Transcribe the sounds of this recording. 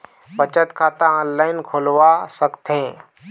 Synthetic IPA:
pət͡ʃət̪kʰat̪ãɔ̃nlainkʰolʋasəkt̪ʰẽ

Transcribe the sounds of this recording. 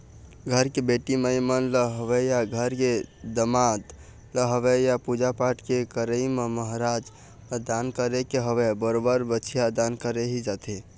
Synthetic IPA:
ɡʱəɾkebeʈiməjmənləɦəʋejaɡʱəɾked̪əmad̪ | ləɦəʋejapud͡ʒapaʈkekəɾəimeməɦɾad͡ʒ | d̪ankəɾekeɦəʋebəɾobəɾbət͡ʃʰijad̪ankəɾeɦid͡ʒat̪ʰi

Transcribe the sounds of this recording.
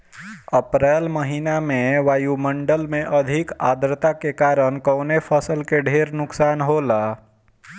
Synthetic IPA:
əpɾɛːlməɦiːnamẽʋaːjumə̃ɳɖəlmẽʔəd̪ʱɪka̰ːd̪ɾt̪akekaːɾənkəːnepʰəsəlkeɖʱeːɾnʊksaːnɦoːla

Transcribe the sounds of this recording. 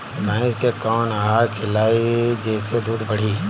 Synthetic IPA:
bɛ̃ːd͡ʒkekaːnaɦaːɾkʰɪlaːid͡ʒɛːsed̪uːd̪bɐɽ̤iː

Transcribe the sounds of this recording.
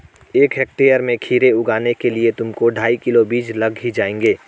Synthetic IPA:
eːkɦɛːk̚ʈeːjəɾmẽkʰiːɾeʊɡaːnekeliet̪ʊmkoɖʱaːikɪlobiːd͡ʒlɐɡɦid͡ʒaːẽːŋɡeː

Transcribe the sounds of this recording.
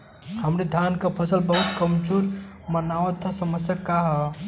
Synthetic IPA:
həmɾed̪ʱjankapʰəsəlbəɦut̪kəmd͡ʒuɾ | mənaʋət̪ʰɔsəməsjakaɦə

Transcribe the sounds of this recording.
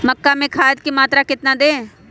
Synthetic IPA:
mɐkːamẽkʰaːət̪̚kemaːt̪ɾakɪt̪nad̪eː

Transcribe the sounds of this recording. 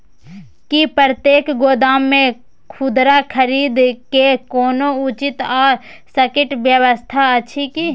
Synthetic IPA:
kipəɾət̪jeːkɡoːd̪aːmːẽ | kʰʊd̪ɾakʰəɾiːd̪kekɔːnoʊt͡ʃɪt̪ɔːɾ | səkɪʈʋjəwəst̪ʰaət͡ʃʰiki

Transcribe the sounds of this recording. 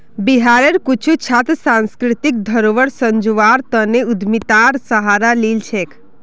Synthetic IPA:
biɦaɾeɾkut͡ʃʰut͡ʃʰat̪sãnskɾɪt̪ik̚d̪ʱəɾoʋəɽsəɲd͡ʒoʋaɾt̪əneud̪ʱmit̪aɾsəɦaɾalilt͡ʃʰek

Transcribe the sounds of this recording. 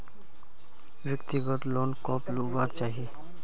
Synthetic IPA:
bjʌkt̪iɡɔt̪lonkɔplubaɾt͡ʃaɦi

